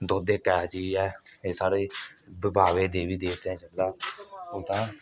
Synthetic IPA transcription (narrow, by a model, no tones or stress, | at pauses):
d̪oːd̪eːkɛːt͡ʃiːɛːeːsaːɽeːbəbaːʋeːd̪eːʋiːd̪eːt̪ːɛ̃ːt͡ʃəlːaːot̪ãː